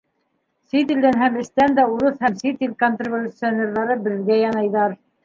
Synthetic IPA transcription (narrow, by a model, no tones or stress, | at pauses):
sit̪ild̪ænɦæmɘ̆st̪ænd̪æuɾɤθhæmsit̪ʲilʲkont̪rʲɪvʲulʲʊt̪sɨonʲerðɑɾɤbɘ̆ðɡæjɑnɑjðɑɾ